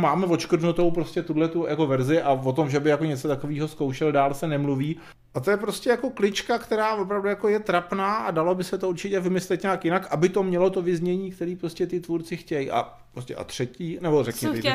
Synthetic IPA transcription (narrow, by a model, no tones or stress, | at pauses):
maːmɛvo̞t͡ʃkr̩dnut̪o̞wpɾo̞scʲɛt̪udlɛt̪ujako̞vɛɾzɪʔavot̪o̞mʒɛbɪjako̞ɲɛt͡sot̪akoviːɦo̞sko̞wʃɛldaːlsɛnɛmluviː | ʔat̪o̞jɛpɾo̞scɛjako̞klɪt͡ʃkakt̪ɛɾaːvo̞p̬ɾavdujako̞jɛt̪ɾapnaːʔadalo̞bɪsɛt̪ouɾt͡ʃɪcɛvɪmɪslɛt̪ɲaːkjɪnakʔabɪt̪o̞mɲɛlo̞t̪o̞vɪzɲɛɲiːkt̪ɛɾiːpɾoscɛt̪ɪt̪vuɾt͡sɪxcɛjʔa̰ | ɾoscɛ̰ʔa̰t̪r̥ɛciːnɛbo̞rɛkɲɪ